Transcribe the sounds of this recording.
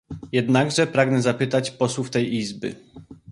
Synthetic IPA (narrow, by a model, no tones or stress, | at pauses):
jɛd̪naɡʐɛpɾaɡnɛzapɘt̪at͡ɕpɔswuft̪ɛjizbɘ̰